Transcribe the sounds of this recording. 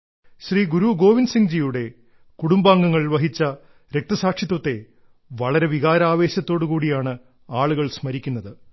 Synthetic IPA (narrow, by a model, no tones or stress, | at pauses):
ɕriːɡuɾuɡo̞ːʋinsiŋd͡ʑijuɽe̞ | kuɽumbaːŋɡɐŋːɐɭiɭʋɐɦit͡ɕːɐ | ɾe̞k̚t̪ɐsaːkʂit̪̬wɐt̪ːe̞ | ʋɐɭɐɾe̞ʋiɣaːɾaːʋe̞ːɕɐt̪ːo̞ːɽukuːɽijaːɳɨ | aːɭuɣɐɭsmɐɾikʲːunːɐðɨ